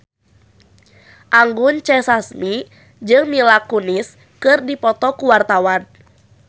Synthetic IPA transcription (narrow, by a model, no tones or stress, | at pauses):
ʔaŋɡʊnt͡ʃɛsasmi | d͡ʒɨŋmilakunis | kɨrdipɔt̪ɔkuwart̪awan